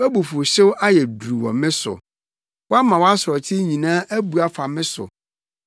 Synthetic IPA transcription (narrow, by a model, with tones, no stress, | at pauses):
æ˦bu˨fʊ˨ɕɪ˦wʔa˦jɛ˨du˨u˨wɔ̰˨mɪ̃˦sʊ̰˨ | wɔ˦a˦mã˨wɔ˦a˦sɾɔ˨tʰɪ˦ɲĩ˨nãː˦ʔæ˦bu˨a˨fa˨mɪ̃˦sʊ̰˨